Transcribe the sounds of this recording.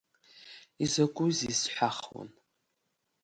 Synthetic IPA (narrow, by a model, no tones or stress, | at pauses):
izɐkʷʼʊzisħʷaχwo̰n